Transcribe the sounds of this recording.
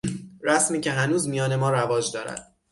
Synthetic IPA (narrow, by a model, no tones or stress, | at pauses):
ɾæsmiːcʰe̞ɦænuːzmijɒːne̞mɒːɾævɒːd͡ʒd̪ɒːɾæ̰d̪̥